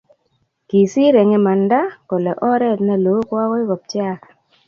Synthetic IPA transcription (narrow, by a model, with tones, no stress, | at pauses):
ki˨si˦ɾɛ˨ŋe˦ma˨nda˦ko˨lɛ˨ʔɔ˦ɾɛ˦˨tna˦lo˨˦kwa˦kɔ˦ɪ˦kɔ˨p̚t͡ʃa˦˨